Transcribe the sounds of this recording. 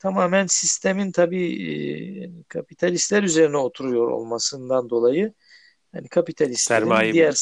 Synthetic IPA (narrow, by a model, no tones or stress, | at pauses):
t̪ʰamaːmænsist̪ʰemint̪ʰabḭː | a̰nikʰapit̪ʰalʲist̪lʲæɾyze̞ɾinɛo̞t̪ʰuɾujo̞ɾo̞̰lˠmasɯnd̪and̪o̞lˠajɯ | ha̰nikʰapit̪ʰalʲist̪ʲɾɾiijjæɾ